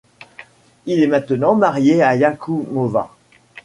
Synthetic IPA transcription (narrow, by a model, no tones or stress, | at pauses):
ilɛmɛ̃t̪ənɑ̃maʁjeajakʰumova̰